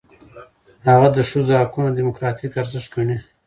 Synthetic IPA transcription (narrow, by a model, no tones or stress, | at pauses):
haɣad̪əʂuzhakunad̪imʊkɾɑt̪ikaɾzɪʃkəɳi